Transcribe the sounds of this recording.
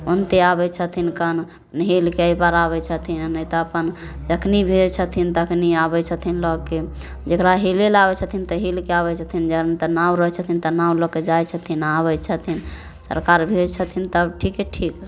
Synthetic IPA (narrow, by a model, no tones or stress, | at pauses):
ont̪eabɛt͡ʃʰət̪ʰinkən | nɦelkeəibaɾaβɛt͡ʃʰət̪ʰinnəjt̪ɔəpən | d͡ʒəkʰnibʱed͡ʒt͡ʃʰət̪ʰint̪əkniabɛt͡ʃʰət̪ʰinlɔɡke | d͡ʒekɾaɦelelabɛt͡ʃʰət̪ʰint̪ɔɦilkeabɛt͡ʃʰət̪ʰind͡ʒəɾnt̪ɔnaɾəɦt͡ʃʰət̪ʰint̪ənaulɔɡ̚ked͡ʒajt͡ʃʰət̪ʰinaβɛt͡ʃʰət̪ʰin | sə̰ɾkaɾbʱed͡ʒt͡ʃʰət̪ʰint̪əʈʰikeʈʰik